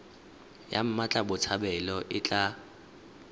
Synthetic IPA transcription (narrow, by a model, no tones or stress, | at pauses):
ja̰m̩mat͡ɬʼabʊt͡sʰabɛlɔʔɪt͡ɬʼa